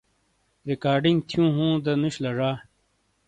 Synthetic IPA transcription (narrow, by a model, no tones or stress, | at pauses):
ɾikaːɾɖiŋɡt̪ʰjũːɦũːd̪ɐnuɕlɐʐaː